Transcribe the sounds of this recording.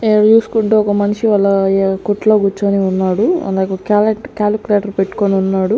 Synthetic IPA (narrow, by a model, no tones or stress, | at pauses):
eːɐɽt͡ʃuːsu̥kuɳʈeːɔkɐmɐniʂiʋɐlːɐkoʈːloːɡut͡ʃːɐniːunːaːɽuɐ̰nd̪akokaːleʈkaːlkʲuleːʈɐɾpeʈːu̥koniunːaːɽu